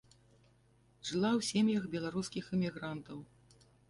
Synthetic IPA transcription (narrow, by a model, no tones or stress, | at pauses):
ʐɨlˠawsʲemʲjɐxbʲɛlˠaɾuskʲixɛmʲiɣɾant̪ɐw